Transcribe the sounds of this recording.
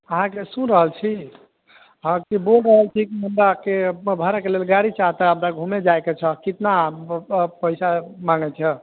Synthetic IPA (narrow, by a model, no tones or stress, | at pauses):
əɦãkesũɾəɦəlt͡ʃʰi | ɦãkibolɾəɦəlt͡ʃʰikiməmɾakebʱəɾakelelɡaɽit͡ʃaɦt̪əəbd̪aɡʱumed͡ʒajket͡ʃʰəkit̪na | pəjsamãŋɡɛt͡ʃʰɛ